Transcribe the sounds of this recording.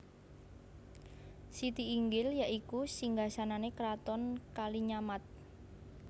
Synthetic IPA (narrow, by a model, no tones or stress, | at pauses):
sit̪iːŋɡɪljaʔikusiŋɡasananekəɾat̪ɔnkaliɲamat̪̚